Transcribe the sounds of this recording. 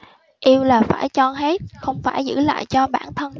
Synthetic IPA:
ʔi˧əwlaː˨˩faː˧˩jt͡ɕɔ˧ɦe˦˥t̚xə˧wŋ͡mfaː˧˩jzɨ̰˧˥la̰ː˧˨jt͡ɕɔ˧ɓaː˧˩nt̪ʰə˧n

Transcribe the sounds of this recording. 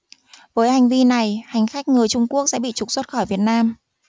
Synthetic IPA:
vəː˨˦jha˨˩jŋ̟vi˧na˨˩jha˨˩jŋ̟xa˦˥jk̟̚ŋɨ˨˩əjt͡ɕʊ˧ŋ͡mku˦˥ək̚sɛ̰˧˥ɓḭ˧˨t͡ɕʊ˨˩k͡p̚swə˦˥t̚xɔ˧˩jvi˨˩ət̚naː˧m

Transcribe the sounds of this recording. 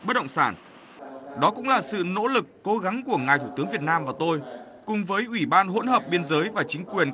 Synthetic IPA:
ɓə˦˥t̚ɗə̰˧˨ŋ͡msaː˧˩n | ɗɔ˨˦kʊ̰˧˥ŋ͡mlaː˨˩sɨ̰˧˨no̰˧˥lɨ˨˩kːo˨˦ɣa˨˦ŋku˧˩əŋaː˨˩jt̪ʰu˧˩t̪ɨ˨˦əŋvi˨˩ət̚naː˧mvaː˨˩t̪o˧j | kʊ˨˩ŋ͡mvəː˨˦jʔwi˧˩ɓaː˧nɦo̰˧˥nɦəː˨˩p̚ɓi˧ənzəː˨˦jvaː˨˩t͡ɕï˨˦ŋ̟kwi˨˩ən

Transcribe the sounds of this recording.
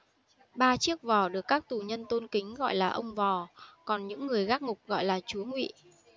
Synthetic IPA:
ɓaː˧t͡ɕi˦˥ək̚vɔ˨˩ɗɨ˨˩əkːaː˦˥k̚t̪u˨˩ɲə˧nt̪o˧nkï˨˦ŋ̟ɣɔ̰˧˨jlaː˨˩ʔə˧wŋ͡mvɔ˨˩kɔ˨˩nɲɨ̰˧˥ŋːɨ˨˩əjɣaː˦˥k̚ŋʊ˨˩k͡p̚ɣɔ̰˧˨jlaː˨˩t͡ɕu˨˦əŋwḭ˧˨

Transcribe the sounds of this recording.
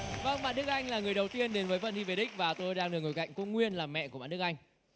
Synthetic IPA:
və˧ŋɓa̰ː˧˨nɗɨ˦˥ək̚a˧jŋlaː˨˩ŋɨ˨˩əjɗə˨˩wt̪i˧ənɗe˨˦nvəː˨˦jfə̰˧˨nɗi˧ve˨˩ɗï˦˥k̟̚vaː˨˩t̪o˧jɗaː˧ŋɨ˨˩k̚ŋo˨˩jka̰˧˨jŋ̟ku˧˦ŋwi˧ənlaː˨˩mɛ̰˧˨kɓa̰ː˧˨ɗɨ˦ək̚a˧jŋ̟

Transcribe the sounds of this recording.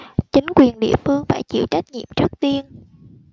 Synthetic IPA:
t͡ɕï˨˦ŋ̟kwi˨˩ənɗḭ˧˨əfɨ˧əŋfaː˧˩jt͡ɕḭ˧˩wt͡ɕa˦˥jk̟̚ɲḭ˧˨əmt͡ɕɨ˦˥ək̚t̪i˧ən

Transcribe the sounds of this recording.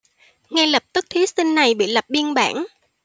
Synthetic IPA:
ŋɛ˧lə˨˩p̚t̪ɨ˦˥k̚t̪ʰi˨˦sï˧ŋna˨˩jɓḭ˧˨lə˨˩p̚ɓi˧ənɓa̰ː˧˩n

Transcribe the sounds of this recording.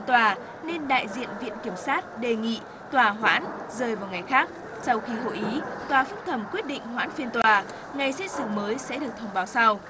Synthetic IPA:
t̪waː˨˩ | ne˧nɗa̰ː˧˨jzḭ˧˨ənvḭ˧˨ənki˧˩əmsaː˦˥t̚ɗe˨˩ŋḭ˧˨ | t̪waː˨˩ɦwa̰ː˧˥n | zəː˨˩jvaː˨˩wŋa˨˩jxaː˦˥k̚ | sa˧wxi˧ɦo̰˧˨ʔi˨˦t̪waː˨˩fɨ˦˥ŋ̚t̪ʰə˧˩mkwi˦˥ət̚ɗḭ̈˧˨ŋ̟ɦwa̰ː˧˥nfi˧ənt̪waː˨˩ | ŋa˨˩jsɛ˧˥sɨ̰˧˩məː˨˦jsɛ̰˧˥ɗɨ˨˩ək̚t̪ʰə˧wŋ͡mɓaː˨˦wsa˧w

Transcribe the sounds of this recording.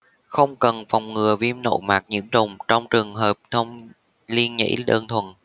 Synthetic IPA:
xə˧wŋ͡mkə˨˩nfɔ˨˩wŋ͡mŋɨ˨˩əvi˧mno̰˧˩maː˨˩k̚ɲḭ˧˩əmzʊ˨˩wŋ͡mt͡ɕɔ˧wŋ͡mt͡ɕɨ˨˩əŋɦəː˨˩p̚t̪ʰə˧wŋ͡m | li˧ənɲə̰˧˥jɗəː˧nt̪ʰwə˨˩n

